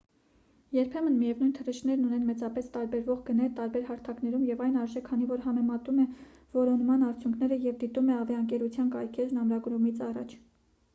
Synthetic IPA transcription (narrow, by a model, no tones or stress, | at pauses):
jɛɾpʰɛmənmijɛvnujnt̪ʰərɛʃnɛɾnunɛnmɛt͡sɑpɛst̪ɑɾbɛɾvɔʁɡənɛɾt̪ɑɾbɛɾhɑɾt̪ʰɑknɛɾumjɛvɑjnɑɾʒɛkʰːɑn̪ivɔɾɦɑmɛmɑt̪umɛ | vɔɾɔnmɑnɑɾt͡sʰjuŋkʰnɛɾəjɛvd̪it̪umɛɑvɛəŋkɛɾut͡sʰjɑnkɑjkʰɛɾnɑmɾɑɡɾumit͡sʰɑrɑ̰t͡ʃʰ